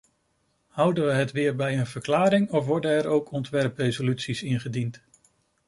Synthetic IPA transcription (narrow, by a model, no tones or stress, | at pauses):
hʌwdənʋəɦətʋɪːɹbɛjənvəɹklaːɾɪŋɔfʋɔɹdənɛɹowkʰɔntʋɛɹprejzolytsisɪnχədint